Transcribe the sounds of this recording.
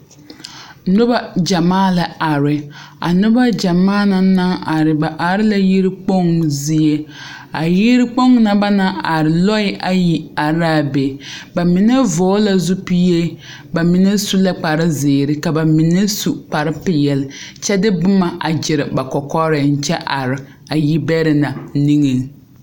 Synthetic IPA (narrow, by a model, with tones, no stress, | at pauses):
nʊ˦ba˦d͡ʒa˨maː˦la˨a˨ɾɪ˨a̰˨nʊ˦ba˦d͡ʒa˨maː˦na˨na˦ŋa˨ɾɪ˨ba˨ʔa˨ɾɪ˦la˨ji˦ɾɪ˦k͡po˦ŋzi˨˦e˦ | a˨ji˦ɾɪ˦k͡po˦ŋna˦ba˦na˦ʔa˨ɾɪ˨lɔ˦ɪ˦ʔa˨ji˨a˨ɾaː˦˨be˨ba˨mɪ˨nɛ˦voː˨˦la˨zu˦pi˦je˦ | ba˨mɪ˨nɛ˦su˦la˦k͡pa˨ɾɪ˦zɪ˨ɾɪ˦ka˨ba˨mɪ˨nɛ˦su˨k͡pa˨ɾɪ˦pɪ˨jɛ˨lɪ˨t͡ʃɛ˦dɪ˦bʊ˦ma˨ʔa˨d͡ʒɪ˨ɾɪ˨ba˨kɔ˨kɔ˦ɾɪ˨n̩˨t͡ʃɛ˦ʔa˨ɾɪ˨ | a˨ji˦bɛ˦ɾɪ˨na˨ni˦ŋi˨ŋ